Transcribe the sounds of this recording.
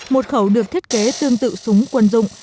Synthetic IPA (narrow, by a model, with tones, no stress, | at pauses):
mo˨˩t̚xə˧˩wɗɨ˨˩ək̚t̪ʰt̚ke˨˦t̪ɨ˧əŋt̪ɨ̰˧˨sʊ˨˦ŋ͡mkwə˧nzʊ̰˧˨ŋ͡m